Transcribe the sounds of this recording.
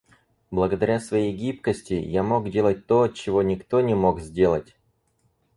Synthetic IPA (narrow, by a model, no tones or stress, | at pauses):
blˠəɡəd̪ɐɾʲasvɐjejɡʲip̚kəsʲtʲɪjamo̞ɡdʲe̞lˠət̚ʲt̪ot͡ɕɪvo̞nʲɪkt̪o̞nʲɪmo̞kzʲdʲe̞lˠətʲ